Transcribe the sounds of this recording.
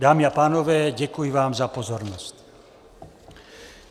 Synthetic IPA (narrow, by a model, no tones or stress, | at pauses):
d̪aːmiapaːnɔʋɛːɟɛkujiʋaːmzapɔzɔɾnɔsc